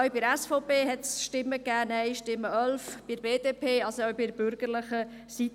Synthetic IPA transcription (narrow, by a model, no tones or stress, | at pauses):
œbiɾæsfɔʊpeːɦɛt̪sʃtɪmːəkːæːnɛɪʃtɪmːəʔœlfb̥i̥beːd̥̪eːpʰeːɑlsoœɥbidəb̥ʏɾɡ̥əɾləχə | sit̪